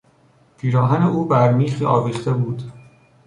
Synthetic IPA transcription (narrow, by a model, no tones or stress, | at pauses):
pʰiːɾɒːɦæneuːbæɾmiːxiːʔɒːviːχt̪e̞buːd̪̥